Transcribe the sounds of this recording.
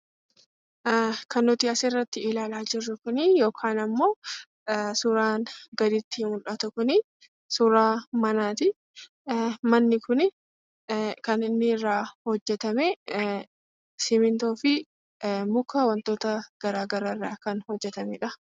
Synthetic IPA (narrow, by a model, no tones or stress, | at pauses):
kɐnːʊt̪iɐsɛrːɐt̪ːɪɪlaːlaːd͡ʒɪrːʊkʊnɪjo̞ːkʰaːnɐmːo̞ː | suːɾaːnɡɐd̪ɪt̪ːɪmʊlʔɐt̪ʊkʊnɪ | suːɾaːmɐnaːt̪ɪ | mɐnːɪkʊn | kɐnɪnːɪɪrːaːhɔd͡ʒːɛt̪ɐmɛ | sɪmɪnt̪oːfɪ | mʊkʰːɐwɐnt̪o̞ːt̪ɐɡ̥ɐɾaːɡɐɾarːaːkɐnhɔd͡ʒːɛt̪ɐmɛᶑɐ